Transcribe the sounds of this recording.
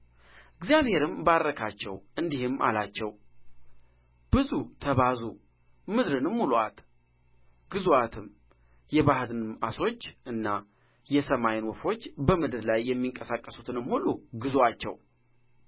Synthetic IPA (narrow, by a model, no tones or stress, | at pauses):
ɨɡzjaβhe̞ɾɨmbaɾːəkʰat͡ʃːɛwʔɨnd̪ihɨmːʔa̰lat͡ʃːɛw | b̥ɨzut̪ʰəβazu | mɨd̪ɾɨnɨmːulwat̪ | ɡ̥ɨzuat̪ʰɨm | jɛβahd̪ɨnɨmaso̞t͡ʃːʔɨnːa | jɛsəmajɪnwɔfo̞t͡ʃːbəmɨd̪ɨɾlajːɛmːiŋkʼəsakʼːəsut̪ʰɨnɨmhulːuɡɨzwat͡ʃːɛ̰w